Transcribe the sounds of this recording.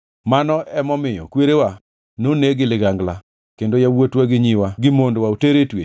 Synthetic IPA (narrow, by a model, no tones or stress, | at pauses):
manɔɛmɔmɪjɔ̰kweɾewa | noneɡɪlɪɡaŋɡla | kendojawotwaɡɪɲɪwaɡɪmondwaoteɾetwḛ